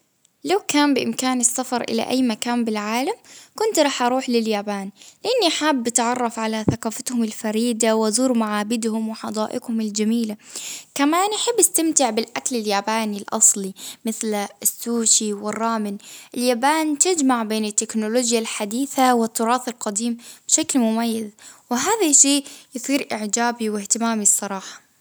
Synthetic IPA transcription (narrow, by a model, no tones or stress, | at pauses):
lawkaːnbɪʔɪmkaːnɪsːafɑɾˤʔɪ̰la̰ʔa̰jːmakaːmbɪlʕaːlamkʊnt̪ɾˤɑːħʔɑɾˤuːħlɪljaːbaːnlɪʔanːiʔħaːbːɪt̪ʕɑrˤːɑfʕalaθaqɑːfat̪hʊmɪlfaɾiːd̪awzuːɾmaʕaːbɪd̪hʊmwɪħɑd̪ˤɑːʔɪɡhʊmɪld͡ʒamiːlakamaːnʔaħɪbːast̪amt̪ɪʕbɪlʔaklɪljaːbaːnilʔɑ̰sˤlimɪθlɪsːuːʃiwɪrˤːɑːmɪnʔɪljaːbaːnt̪ɪd͡ʒmaʕbeːnɪt̪ːɪknʊloːd͡ʒjalħad̪iːθawɪt̪ːʊɾˤɑːθɪlqɑd̪iːmbʃaklmʊmajːazwɪɦaːðaʃeːʔjɨsˤiːɾʔɪʕd͡ʒaːbiwɪht̪ɪmaːmisˤːɑɾˤɑːħɑ̥